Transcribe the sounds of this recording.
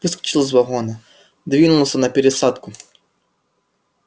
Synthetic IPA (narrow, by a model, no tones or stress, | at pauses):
vɨskɐ̥t͡ʃilˠəs̬ʲvɐɣɔnɐ | d̪vʲinʊlˠəsʲənɐpʲɪɾʲɪsat̪kʊ